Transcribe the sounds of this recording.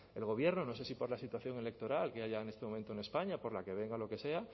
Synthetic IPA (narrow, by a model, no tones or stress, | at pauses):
e̞lɣo̞βje̞ɾnono̞se̞sipo̞ɾlasit̪waθjo̞ŋe̞le̞k̚t̪o̞ɾalkeaʎaenest̪emoment̪one̞spaɲapo̞ɾlake̞β̞e̞ŋɡalo̞ke̞se̞a